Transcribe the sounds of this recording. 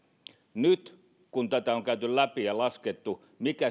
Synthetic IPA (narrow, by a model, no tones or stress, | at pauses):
nyt̪ | kunt̪æt̪æoŋkæyt̪yllæpijɑlɑsket̪ːu | mikæ